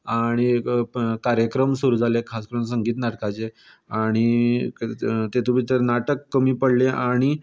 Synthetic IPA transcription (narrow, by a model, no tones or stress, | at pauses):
aɽ̃i | kaɾjəkɾəmsuɾuːd͡zʱalekʰaskəɾuːns̬əŋɡiːt̪naʈkat͡se | aɽ̃i | t̪et̪ubʱit̪əɾnaʈəkːəmiːpəɽleʔaɽ̃i